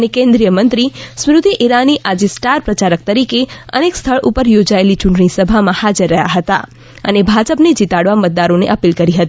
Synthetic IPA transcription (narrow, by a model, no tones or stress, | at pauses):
ənekẽnd̪ɾijəmənt̪ɾismɾud̪ʱiʔiɾaniʔad͡ʒesʈaɾpɾət͡ʃaɾək̚t̪əɾikeə̰nekst̪ʰəɭʔupəɾjod͡ʒaelit͡ʃʊɳʈɳ̃isəbʱamãhad͡ʒəɾːəɦja̰ɦət̪a̰ | ə̰nebʱad͡ʒəpned͡ʒit̪aɽʋamət̪̚d̪aɾõneʔəpilkəɾiɦət̪i